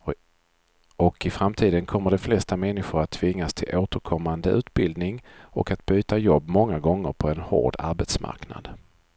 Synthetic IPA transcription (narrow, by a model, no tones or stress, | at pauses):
ɔkɪfɾamt̪ʰiːd̪ənkʰɔmːəɖɛflɛst̪amɛnːɪɧʊɾat̪ʰːvɪŋːast̪ʰɪlʔoːt̪əɾkʰɔmːand̪əʔʉ̟ːt̪bɪld̪nɪŋɔ̰kat̪b̥yːt̪ajɔbːmɔŋːaɡɔŋːə̰ɾpʰɔɛnho̰ːɖa̰ɾbɛt̪smʔa̰ɾkna̰d̪